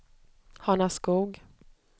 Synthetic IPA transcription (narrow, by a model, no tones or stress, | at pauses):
hanaskuːɡ